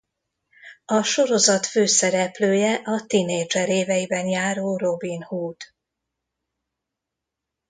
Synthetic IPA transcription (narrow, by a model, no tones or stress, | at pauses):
ɒʃo̞ɾo̞zɒt̪føːsɛɾɛpløːjɛʔɒt̪ineːd͡ʒɛɾeːvɛjibɛnjaːɾoːro̞binhuːt̪